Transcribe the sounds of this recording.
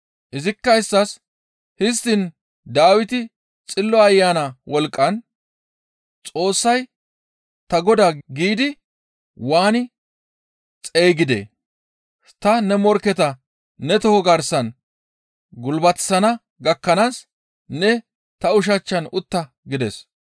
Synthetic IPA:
ʔɪzɪkːɐɪsːɐs | hɪst̪ɪn | d̪aːwɪt̪ɪ | t͡sʼɪlːɔɐjːaːnɐwɔlkʼːɐn | t͡sʼo̞ːsːɐj | t̪ɐɡɔd̪aɡiːd̪ɪ | waːnɪ | t͡sʼe̞ːɡɪd̪ḛː | t̪ɐnɛmɔɾkɛt̪ɐː | ɛt̪ɔhɔɡɐɾsɐn | ɡʊlbɐt̪sɐnɐ | ɡɐkːɐnaːsː | ɛ | t̪ɐʊʃ̬ɐt͡ʃːɐnʊt̪ːɐ | ɡɪd̪ɛ̰s

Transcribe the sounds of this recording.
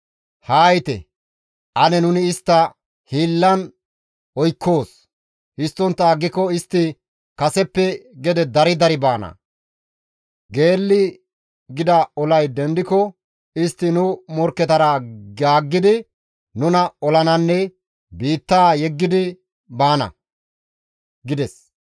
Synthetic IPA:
haːjt̪ɛ̰ | ʔɐnɛnʊnɪːst̪ːɐ | hiːlːɐn | ɔjkʰːoːs | hɪst̪ːɔnt̪ːɐːɡːɪkːɔɪst̪ːɪ | kɐsɛpːɛɡɛd̪ɛd̪ɐɾɪd̪ɐɾɪbaːnɐ̰ | ɡe̞ːlːɪ | ɡɪd̪ɐɔlɐjd̪ɛnd̪ɪkɔ | ɪst̪ːɪnʊmɔɾkːɛt̪ɐɾaɡaːɡːɪd̪ɪ | nʊnɐɔlɐnɐnːɛ | biːt̪ːaːjɛɡːɪd̪ɪ | baːnɐ̰ | ɡɪd̪ɛs

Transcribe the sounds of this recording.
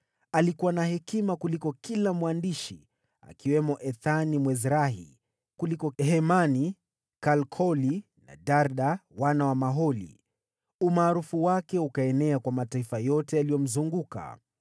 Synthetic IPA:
alikuwanahɛkimakulikɔkilamwandiʃi | a̰kiwɛmɔʔɛθanimwɛzɾaɦḭ | kulikɔɦɛmani | kalkʰɔli | na̰daɾɗawanawamaɦɔlḭ | umaːɾufuwakɛukaɛnɛakwamataifajɔtɛalijɔm̩zuŋɡuka̰

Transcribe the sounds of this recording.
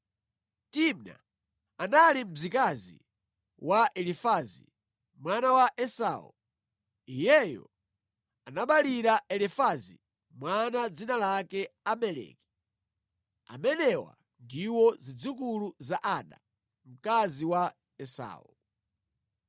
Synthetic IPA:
timna̰ | analim̩zikazḭ | waʔɛlifazḭ | mwanawaʔɛsa̰wṵ | ijɛjɔ̰ | anaɓaliɾaɛlifazḭ | mwanad͡zinalakɛamɛlɛ̰ki̥ | a̰mɛnɛwa̰ | ndiwɔzid͡zukuluzaʔaɗa̰ | m̩kaziwa | ɛsa̰ːwɔ̰

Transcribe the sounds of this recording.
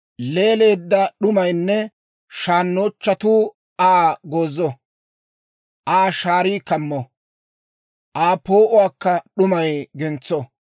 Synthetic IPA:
le̞ːle̞ːd̪ːɐɗʊmɐjnːɛ | ʃaːnːoːt͡ʃːɐt̪uː | aːɡoːzːɔ | ʔaːʃaːɾiːkɐmːɔ | ʔaːpo̞ːʔʊwaːkːɐɗʊmɐjɡɛnt͡sːɔ

